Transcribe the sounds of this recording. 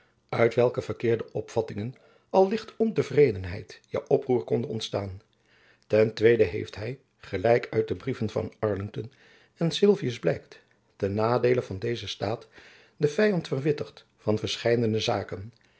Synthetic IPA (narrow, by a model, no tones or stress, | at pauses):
œɥtʋɛlˠkəv̥əɹkɪːɹdəʔɔpfɑtɪŋən | ɑlˠlɪχtɔntəvrejdənɦɛ̰jtjə̰ʔɔpruːɹkɔndəɔ̰ntstaːn | tɛntʋejdəɦḛjftɦɛj | χəlɛjkʰœɥt̚dəbrivənvɑ̰nɑɹlɪŋtɔn | ɛnsɪlˠviəzblɛjkt | tɛnːaːdejləvɑndejzəstaːt | dəv̥ɛjɑntfərʋɪtərt | fɑnvəɹsχɛjdənəzaːkən